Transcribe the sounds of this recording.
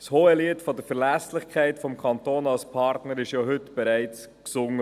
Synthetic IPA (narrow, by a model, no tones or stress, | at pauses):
shoːəliətfɔdəɾfɛɾlɛslɪχkʰæɪtfɔmkʰɑntoːnɑlspʰɑɾtnəɾɪʃjoɦʏtb̥ɛɾæɪt͡s | ksʊŋə